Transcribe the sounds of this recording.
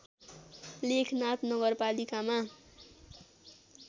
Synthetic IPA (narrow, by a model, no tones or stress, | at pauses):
lekʰnat̪nʌɡʌrpalikama